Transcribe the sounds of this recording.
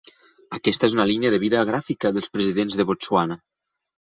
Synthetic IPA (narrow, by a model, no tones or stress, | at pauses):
əkɛst̪əezunəliniəðəβiðəɣɾafikəðəlˠspɾəziðenzðəβot͡suanə